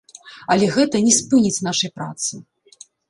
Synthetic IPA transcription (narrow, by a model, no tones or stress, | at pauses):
ɐlʲɛɣɛt̪ɐnʲɛspɨnʲit͡sʲnaʂɐjpɾa̰t̪sɨ